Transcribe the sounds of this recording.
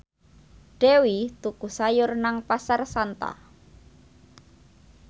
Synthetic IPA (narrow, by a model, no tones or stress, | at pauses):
ɖ̥ewit̪ukusajʊrnaŋpasarsant̪a̰